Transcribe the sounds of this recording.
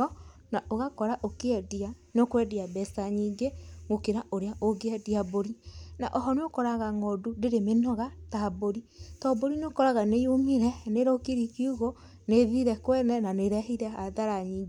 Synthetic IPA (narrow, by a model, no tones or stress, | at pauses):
ɔnaʔoɣakɔɾaʔokeɛdianokwɛdiabɛsaɲiːŋɡemokeɾaʔoɾeaʔoɡeɛdiaboɾinaʔɔɦɔneokɔɾaɣaŋɔdudeɾemenɔɣataboɾitɔboɾineokɔɾaɣanejomiɾɛneɾokiɾikiuɣo | neðiɾɛkwɛnɛnaneɾɛɦiɾɛaðaɾaɲiːŋɡe